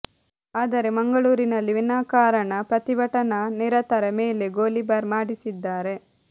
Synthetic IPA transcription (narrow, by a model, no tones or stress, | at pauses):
aːd̪ɐɾe̞mɐŋɡɐɭuːɾinɐlːiʋinaːkaːɾɐɳɐpɾɐt̪iʋɐʈɐnɐniɾɐt̪ɐɾɐmeːle̞ɡoːlibɐɾmaːɽisid̪ːaːɾe̞